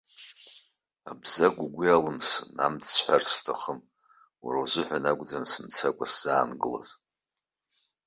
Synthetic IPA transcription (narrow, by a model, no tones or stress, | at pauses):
abzaɡʷʼuɡʷijalɨmsɨnamħʷᶣarstʰaχəm | warazʷɨħʷᶣanaɡʷd͡zamsɨmt͡sʰakʷʼaszaːnɡɨla̰z